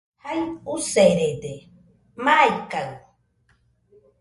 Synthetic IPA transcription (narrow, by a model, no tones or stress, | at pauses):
hajuseɾed̪e | majkaw